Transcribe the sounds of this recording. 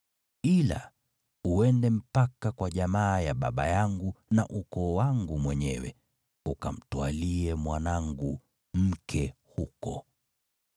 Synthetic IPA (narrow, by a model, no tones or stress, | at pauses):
ila̰ | uɛndɛm̩pakakwaʄamaːjaɓaɓa̰jaŋɡunaʔukɔːwaŋɡumwɛɲɛwɛ̰ | uka̰m̩twaliɛmwanaŋɡu | m̩kʰɛhukɔ